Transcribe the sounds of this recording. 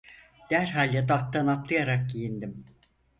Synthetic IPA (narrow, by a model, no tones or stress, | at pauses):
d̪̥æɾɦalʲːɛd̪at̪ːanat̪lˠɯjaɾak̚ɟijind̪im